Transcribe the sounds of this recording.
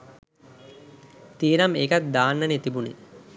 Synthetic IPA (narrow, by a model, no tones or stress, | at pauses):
t̪iənameːkat̪̚d̪aːnːənet̪ibunḭ